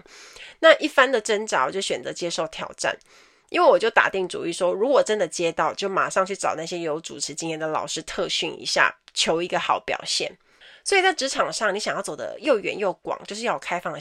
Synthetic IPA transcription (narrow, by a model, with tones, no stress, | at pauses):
na˥˧ʔi˥˩fa˥nd̪ə˨ʈ͡ʂə˥nʈ͡ʂa˧˥wɔ˨˩t͡ɕjo˥˩ʊɕɥɛ˨˩nt͡sɤ˧˦t͡ɕjɛ˥ʂo˥˩ʊt̪ʰjɑ̰˨˩ʊʈ͡ʂa̰˥˩n | i˥nwe˥˩wɔ˨˩t͡ɕjo˥˩ʊt̪a̰˨˩t̪i˥˩ŋʈ͡ʂṵ˨˩y˥˩ʂwɔ˥ɻu˧˥kwɔ˨˩ʈ͡ʂə˦˥nd̪ə˨t͡ɕjɛ˥t̪ɑ˥˩ʊt͡ɕjo˥˩ʊma̰˨˩ʂɑ˥˧ŋt͡ɕʰy˥˩ʈ͡ʂɑ̰˨˩ʊna˥˩ɕjɛ˥jo˧˥ʊʈ͡ʂṵ˨˩ʈ͡ʂʰɻ̩˧˥t͡ɕi˥njɛ˥˩nd̪ə˩lɑ̰˨˩ʊʂɻ̩˥t̪ʰɤ˥˧ɕy˥˩nḭ˧˥ɕja̰˥˩t͡ɕʰjo˧˥ʊi˧˥ɡə˧xɑ˨˩˦ʊpjɑ̰˨˩ʊɕjɛ̰˥˩n | swɔ˧˥i˨˩t͡sa˥˩ɪʈ͡ʂɻ̩˧˥ʈ͡ʂʰɑ˨˩ŋʂɑ˥˩ŋni˧˥ɕjŋjɑ˥˩t͡so˨˩d̪ə̰˦jo˥˩ʊɥɛ̰˧˦njo˥˩ʊkwɑ̰˨˦ŋt͡ɕjo˥˧ʊʂɻ̩˥˧jɑ˥˩kʰa˥ɪfɑ˥˩ŋ˩